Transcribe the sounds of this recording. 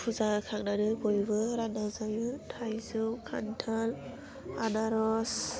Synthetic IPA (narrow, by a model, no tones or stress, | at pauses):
pʰuzakʰak̚nadɯbojbɯɾanazajɯtʰajzɯwkʰa̰ntʰal | anaɾɔs